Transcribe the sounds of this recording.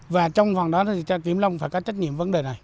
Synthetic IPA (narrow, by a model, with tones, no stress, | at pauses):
vaː˨˩t͡ɕɔ˧wŋ͡mva˨˩ŋɗɔ˨˦t̪ʰt̪ʰi˨˩t͡ɕki˧˩əmla˧wŋ͡mfaː˧˩kɔ˨˦t͡ɕə˦˥t̚ɲḭ˧əmvə˨˦nɗe˨˩na˨˩j